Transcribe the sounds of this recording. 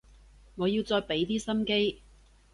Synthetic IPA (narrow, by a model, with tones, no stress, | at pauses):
ŋɔː˨˧jiː˧wt͡sɔː˧jpe˨˥jt̪iː˥sɐ˥mke˥j